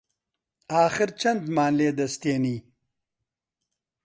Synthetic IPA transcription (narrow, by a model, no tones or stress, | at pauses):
aːxɪɾt͡ʃɐnd̪mɑːnleːd̪ɐst̪eni